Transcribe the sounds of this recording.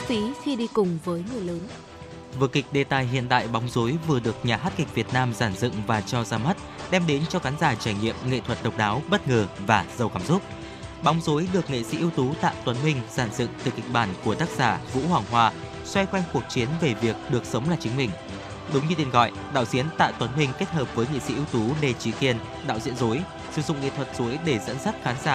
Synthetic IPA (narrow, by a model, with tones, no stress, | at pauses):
fi˨˦xi˧ɗi˧kʊ˨˩ŋ͡mvəː˨˦jŋɨ˨˩əjləː˨˦n | vɨ˨˩kï˨˩k̟̚ɗe˨˩t̪aː˨˩jɦḭ˧˨ənt̪a̰ː˧˨jɓa˨˦wŋ͡mzo˨˦jvɨ˨˩əɗɨ˨˩ək̚ɲaː˨˩haː˦˥t̚kï˨˩k̟̚vi˨˩ət̚naː˧mzaː˧˩mzɨ̰˧˨ŋvaː˨˩t͡ɕɔ˧zaː˧mə˦˥t̚ɗɛ˧mɗe˨˦nt͡ɕɔ˧ɣaː˨˦ŋ̟zaː˧˩t͡ɕaː˧˩jɲḭ˧˨əmŋḛ˧˨t̪ʰwə˨˩t̚ɗə˨˩wk͡p̚ɗaː˨˦wɓə˦˥t̚ŋəː˨˩vaː˨˩zə˨˩wkaː˧˩mzʊ˦˥k͡p̚ | ɓɔ˨˦wŋ͡mzo˨˦jɗɨ˨˩ək̚ŋḛ˧˨sḭ˧˥ʔi˧ə˧wt̪u˨˦t̪a̰ː˧˨wt̪wə˨˦nmï˧ŋ̟saː˧˩nzɨ̰˧˨ŋt̪ɨ˨˩ki˨˩k̟̚ɓaː˧˩nku˧˩ət̪aː˦˥k̚z̥aː˧˩vṵ˧˥hwaː˨˩ŋɦwaː˧ | swɛ˧jxwa˧jŋ̟ku˨˩ək̚t͡ɕi˨˦ənve˨˩vi˨˩ək̚ɗɨ˨˩ək̚sə˨˦wŋ͡mlaː˨˩t͡ɕï˨˦ŋ̟mï˨˩ŋ̟ | ɗʊ˨˦wŋ͡mɲɨ˧t̪i˧ənɣɔ̰˧˨jʔɗa̰ː˧˨wzi˨˦ənt̪a̰ː˧˨t̪wə˨˦nmï˧ŋ̟ke˦˥t̚həː˨˩p̚vəː˨˦jŋḛ˧˨sḭ˧˥ʔi˧wt̪u˨˦ne˧˩t͡ɕi˧˩ki˧ən | ɗa̰ː˧˨wzḭ˧ənzo˨˦j | sɨ˧˩zʊ̰˧˨ŋ͡mŋḛ˧˨t̪ʰwə˨˩t̚z̥o˨˦jɗe˧˩zə̰˧˥nsə˦˥t̚xaː˨˦nzaː˧˩